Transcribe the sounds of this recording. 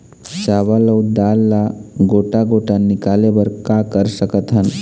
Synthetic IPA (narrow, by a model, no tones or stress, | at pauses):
ɕaʋaləwd̪alːaɡoʈaɡoʈanːikaleʋəɾkakəɾsəkət̪ɦən